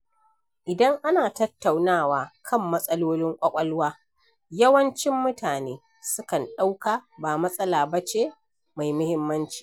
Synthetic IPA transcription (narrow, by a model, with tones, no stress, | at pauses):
ʔɪ˨dɐ˦ŋʔa˦naː˨tɐ˦tːa˨wnaː˦˨waː˨kʰɐ˦˨mːɐ˦sʼɐ˦loː˦lɪ˦ŋkʷʼɐ˦kʷʼɐ˦lwaː˦ | jɐ˦wɐ˦nt͡ʃɪ˦mːʊ˦taː˨neː˦ | sʊ˦kɐ˨nɗa˦wkaː˨baː˨mɐ˦sʼɐ˦laː˨bɐ˦t͡ʃeː˦ | ma˨jmʊ˦hɪ˦mːɐ˦nt͡ʃi̥ː˨